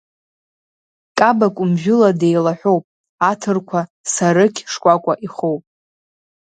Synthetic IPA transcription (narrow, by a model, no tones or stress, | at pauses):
kʼabakʷʼʊmʒᶣʊlade̞jlaħʷᶣowpʼ | atʰɨrkʷʰa | saɾɨkʲʰʂkʷʼakʷʼaʔiχo̞wpʼ